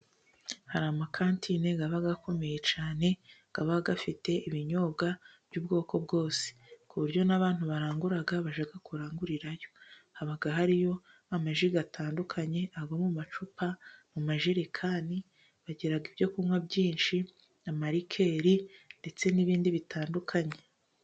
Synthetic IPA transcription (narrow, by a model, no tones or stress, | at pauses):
haɾamakʰaːntʰineɡaβaɡako̞me̞je̞t͡ʃaːne̞ɡ̥aβaɡafite̞ʔiβiɲo̞bɡavjuːbɡo̞ːko̞bɡo̞ːse̥kuβuɾɟo̞naβaːn̥huβaɾaːŋɡuɾaɡaβaʒaɡakuɾaːŋɡuɾiɾajo̞̥ | haβaɡaɦaɾijo̞ | amaʒiɡatʰaːndukʰaɲe̞ʔaɡomumat͡ʃupamumaʒiɾekʰaːni | βaɟeɾaɡibjo̞kumwabɟiːnʃi | amaɾikʰe̞ɾinde̞t͡se̞niβiːndiβitʰaːndukʰaɲe̞